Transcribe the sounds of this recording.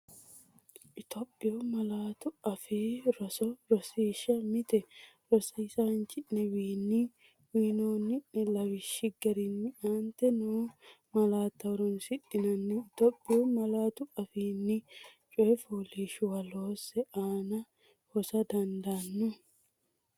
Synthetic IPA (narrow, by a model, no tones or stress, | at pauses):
ʔɪt̪opʼːɪʊmɐlaːt̪ʊɐfiːɾɔsɔɾɔsiːʃːɐmɪt̪ɛ | ɾɔsɐɪsaːnt͡ʃɪʔnɛwiːnːi | wiːnoːnːɪʔɪlɐwɪʃːɪɡɐɾɪnːɪaːnt̪ɛnoː | mɐlaːt̪ːɐwɾʊnsɪᶑɪnɐnːɪɪt̪opʼːɪumɐlaːt̪ʊɐfiːnːɪ | t͡ʃʼɔɛfuːliːʃʊwɐloːsɛʔaːnɐ | hɔsɐd̪ɐnd̪anːʊ